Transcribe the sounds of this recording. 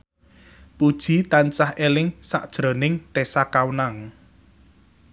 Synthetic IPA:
pud̥ʒ̥i̤t̪ant͡ʃahelɪŋsa̰ʔd̥ʒ̥ɾo̤nɪŋt̪esakawnaŋ

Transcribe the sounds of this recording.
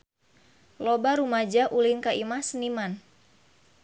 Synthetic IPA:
lɔbaɾumad͡ʒaʔulinkaimasəniman

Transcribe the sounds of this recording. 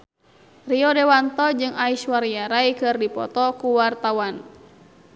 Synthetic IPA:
riɔdɛwant̪ɔd͡ʒɨŋaiʃwaɾiaɾaikɨrdipɔ̰t̪ɔkuwart̪awan

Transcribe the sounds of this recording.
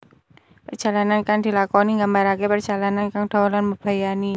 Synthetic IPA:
pərd͡ʒ̥a̤lanankaŋd̪̥i̤lakɔniŋɡambaɾakepərdd͡ʒ̥a̤lanankaŋd̥̪a̤lanməb̥a̤jani

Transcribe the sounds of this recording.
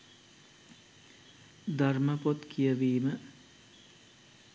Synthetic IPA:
d̪arməpot̪kʰijəʋiːmə

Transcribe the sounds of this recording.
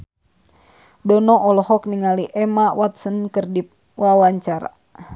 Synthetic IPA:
dɔnɔʔɔlɔhɔk̚niŋaliʔɛmawat̪sənkərdip̚ | wawaɲt͡ʃaɾa̰

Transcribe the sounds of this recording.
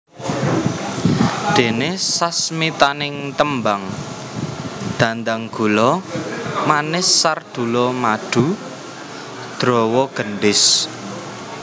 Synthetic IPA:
d̪̥e̤nesasmit̪anɪŋt̪əmbaŋ | d̪̥ä̤nd̪aŋɡ̥ṳlɔ | manɪsːard̪̥ṳlɔmaɖ̥ṳ | d̪̥ɾɔwɔɡ̥ənɖɪs

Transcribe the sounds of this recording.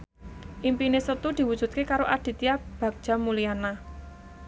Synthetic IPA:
ʔimpinesət̪ud̪̥i̤wu̥ʒ̥ṳt̪̚kekaɾoʔad̪̥i̤t̪iab̥ä̤k̚d̥ʒ̥a̤muliana

